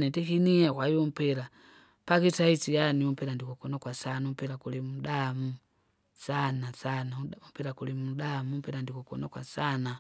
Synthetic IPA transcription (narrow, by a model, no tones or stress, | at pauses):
nɛtɛkiniakwaiɔm̩pɛɾa | pakitait͡sijaniɔm̩pɛɾandikɔkɔnakwasanaum̩pɛɾakulimuɗamu | sanasanaumpɛɾakulimuɗamum̩pɛɾandikɔkɔ̰nakwasana